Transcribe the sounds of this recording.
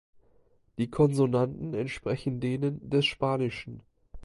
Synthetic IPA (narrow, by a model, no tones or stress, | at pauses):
d̥iːkʰɔnzonantn̩ɛntʃpʁ̥ɛçn̩deːnəndɛsʃpaːnɪʃn̩